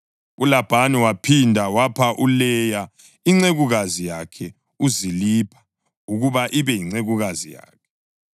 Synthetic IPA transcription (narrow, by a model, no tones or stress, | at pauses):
ulab̥ʱaniwapʰindʱawapʰaʔulɛja | iŋ͡ǀeɣuɣazijakʰɛ | uzilipʰḁ | uɣuβaʔiβɛjiŋ͡ǀeɣuɣazija̰ːkʰɛ